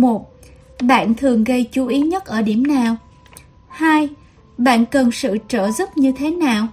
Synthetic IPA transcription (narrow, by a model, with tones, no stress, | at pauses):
mo˨˩t̚ | ɓa̰ː˧˨nt̪ʰɨ˨˩əŋɣə˧jt͡ɕu˨˦ʔi˨˦ɲə˦˥t̚ʔəː˧˩ɗi˧˩əmnaː˨˩w | haː˧j | ɓa̰ː˧˨nkə˨˩nsɨ̰˧˨t͡ɕəː˧˩zə˦˥t̚ɲɨ˧t̪ʰe˨˦naː˨˩w